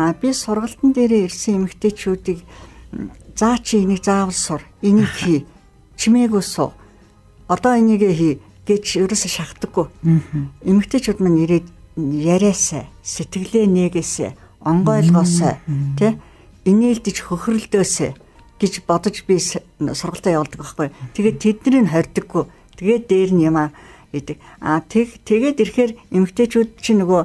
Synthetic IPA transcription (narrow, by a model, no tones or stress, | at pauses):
pʲisʊrʁə̆ɬt̪ə̆nt̪eːɾeːersɘ̆ŋemɘ̆kt̪ʰeːʃuːt̪iːk | t͡saːt͡ɕʰiŋenĭkt͡saːwə̆ɮsʊreniːkxiː | t͡ɕʰimeːɣujsʊ̰ː | ɔt̪ɔːiniːɣeːxiː | ɡ̥et͡ɕɵɾʲoːseʃakt̪ə̆ɡːuj | emɘ̆kt̪ʰeːt͡ɕuːt̪maneɾeːt̪jæɾʲæːsæ̰ːset̪ɡɘ̆ɣɮeːneːɣeːsḛː | ɔɴɢœːɮʁɔːsœːt̪ʰe | eneːɮt̪ɘ̆t͡ɕxɵx̆ʲrɵ̆ɮt̪oːseː | ɡ̥et͡ɕpɔt̪ɞ̆t͡ɕpʲi | sʊrʁə̆ɬt̪æːjawə̆ɮt̪ə̆kpaχɡujt̪ʰeɣeːt̪ʰːet̪nĕɾɘ̆nχœrʲt̪ɵ̆ɡːuj | t̪ʰeɣeːt̪ːeːɾɘ̆njʊmaːrɡet̪ɘ̆ka̰ːt̪ʰet̪ʰeɣeːt̪erxeːremɘ̆kt̪ʰeːt͡ɕuːt̪t͡ɕʰinɵɣoː